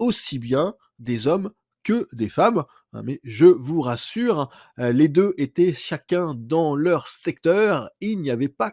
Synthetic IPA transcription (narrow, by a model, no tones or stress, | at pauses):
osibjɛ̃ | d̪ezɔm | kəd̪efam | ɛ̰̃mɛʒəvuʁasyːʁ | led̪øʔet̪ɛʃakʲɛ̃d̪ɑ̃lœʁsɛk̚t̪œːʁilnijavɛpa